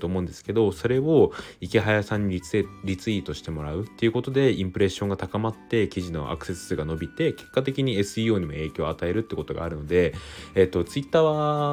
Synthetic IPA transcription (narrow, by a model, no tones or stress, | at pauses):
t̪oːmo̞ɯ̟̃nd̪esɨ̥ke̞d̪o̞so̞ɾe̞o̞ikʲiɦajasãɲ̟ːiɾʲit͡sɨit̪o̞ɕi̥t̪e̞mo̞ɾaɯ̟t̪ːe̞iɯ̟ko̞t̪o̞d̪e̞ĩmpɯ̟ɾe̞ɕːõ̞ŋɡat̪akamat̪ːe̞kʲiʑino̞̰ʔa̰kɯ̟̥se̞sɨɡano̞bʲit̪e̞ke̞̥kːat̪e̞kʲiɲ̟ie̞sɨiːo̞ːɲ̟imo̞e̞ːkʲo̞ːat̪ae̞ɾɯ̟t̪ːe̟kot̪o̞ɡa̰ːɾɯ̟no̞d̪e̞et̪ːo̞t͡sɨit̪ːaːβa